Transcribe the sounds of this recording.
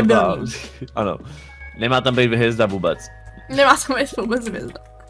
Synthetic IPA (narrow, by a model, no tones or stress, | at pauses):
baano̰ | nɛmaːt̪ambejt̪vɦɛzd̪avuːbɛt͡s | nɛmaːt̪ambɛjt̪vuːbɛt͡svjɛ̰zd̪a